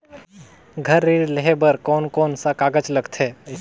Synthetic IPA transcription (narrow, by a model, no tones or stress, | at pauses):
ɡʱɐɾːiːɽleɦebəɾkɔːnkɔːnsakaːɡəd͡ʒləɡt̪ʰɦɛː